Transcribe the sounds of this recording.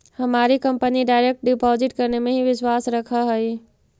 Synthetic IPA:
hɐmaːɾikɐ̃mpəniɖaːɪɾek̚ʈ̚ɖɪpɔːzɪʈkɐɾnemẽɦiʋɪʃwaːsɾɐkʰəɦɐiː

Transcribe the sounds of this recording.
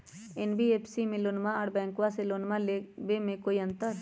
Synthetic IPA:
enbʱieːpʰsimẽloːnmaɔɽbɛ̃ːŋkʋaseloːnmalebemẽkoːiə̃nt̪əɾ

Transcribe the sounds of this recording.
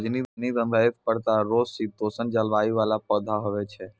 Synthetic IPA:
d͡ʒnidnid̪ə̃ŋɡ̪ʱajet̪̚pəɾt̪aɾosit̪osənd͡ʒalʋaiʋalapɔd̪ʱaɦəʋet͡ʃʰe

